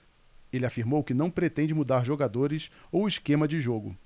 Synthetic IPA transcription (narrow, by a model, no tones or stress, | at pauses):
elɪafiɾmowkɪnɐ̃w̃pɾet̪ẽnd͡ʒɪmud̪aɾʒoɡad̪oɾɪsowɪskẽmɐd͡ʒɪʒoɡʊ